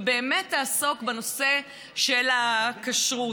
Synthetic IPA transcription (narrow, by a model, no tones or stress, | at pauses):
be̞ːmetːaːso̞kbano̞se̞ | ʃelakaʃʁu